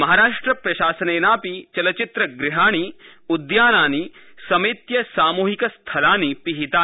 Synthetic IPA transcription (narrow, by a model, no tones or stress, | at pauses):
mɐɦaːɾaːʂʈɾɐpɾɐʃaːsɐneːnaːpit͡ʃɐlɐt͡ʃɪt̪ɾɐɡɾɪɦaːɽ̃i | ud̪jaːnaːni | sɐmɐt̪jɐsaːmuːɦikɐst̪ʰɐlaːnipiɦit̪aː